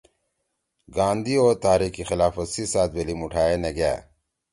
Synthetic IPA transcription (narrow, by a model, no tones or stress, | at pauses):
ɡãːnd̪ioːɾt̪aːɾiːkːixɪlaːfɐsisaːt̪̚belimuʈʰaːenɐɡja̰ː